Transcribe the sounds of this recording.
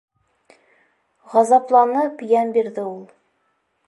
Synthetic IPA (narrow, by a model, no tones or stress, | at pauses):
ʁɑzɑplˠɑnɤpjænbiɾðɘulˠ